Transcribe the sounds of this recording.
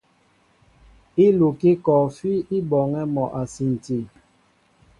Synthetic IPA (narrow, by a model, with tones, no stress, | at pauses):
i˦lu˨ki˦kɔː˨fi˦i˦bɔ˨ŋɛ˦mɔ˨ʔa˨si˨n˨ti˨